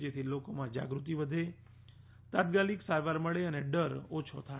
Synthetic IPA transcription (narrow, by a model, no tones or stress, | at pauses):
d͡ʒet̪ʰilokomãd͡ʒa̰ɡɾut̪̬iʋəd̪ʱe | t̪at̪̚kaliksaɾʋaɾməɭeəneɖəɾot͡ʃʰot̪ʰa